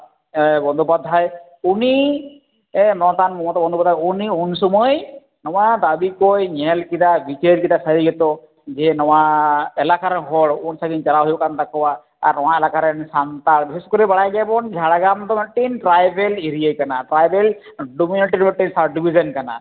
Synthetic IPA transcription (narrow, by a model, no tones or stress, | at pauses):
bɔnd̪ʱɔpad̪ʱːaj | uni | nɔt̪anmɔmɔt̪ːɔbɔnd̪ʱɔpad̪ʱajuniunsɔmɔj | nɔwad̪abikojɲɛlkid̪abit͡ʃeɾkit̪asaɾiɡɛt̪ɔ | d͡ʒɛnɔwaɛlakaɾɦɔɽunsaɡint͡ʃalaɦojbɔkant̪akɔwa | a̰ɾnɔw̃aɛlakaɾɛnsant̪aɾbiseskoɾibaɽajɡɛbɔnd͡ʒʱaɽaɡamt̪ɔmɛʈːinʈɾajbeliɾijekanaʈɾajbɛl | ɖuminiʈiɾmɛʈːinsabɖibʱizɔnkana̰